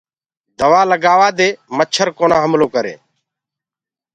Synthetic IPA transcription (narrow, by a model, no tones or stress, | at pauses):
d̪əʋaːləɡaːʋaːd̪eːmət͡ʃʰəɾkoːnãːɦəmloːkəɾḛː